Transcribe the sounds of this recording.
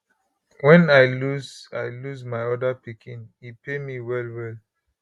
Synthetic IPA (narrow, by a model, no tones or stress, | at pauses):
wɛ̃naɪluzaɪlusmaɪɔdapikĩnipemiwɛlwɛl